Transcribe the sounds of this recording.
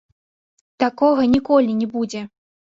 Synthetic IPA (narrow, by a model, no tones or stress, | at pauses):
t̪akɔɣɐnʲikɔlʲinʲɛbud͡zʲɛ